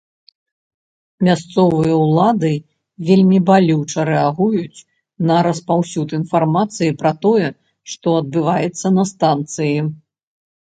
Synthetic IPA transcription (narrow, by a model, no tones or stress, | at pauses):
mʲast̪sɔvɨjɐwlˠad̪ɨ | vʲelʲmʲibalʲuwt͡ʂɐɾɛaɣujut͡sʲ | nɐɾɐspawsʲut̪in̪farmat̪sɨjipɾɐt̪ɔjɛ | ʂt̪ɔɐd̪̚bɨvajɛt̪sːɐnɐst̪ant̪sɨji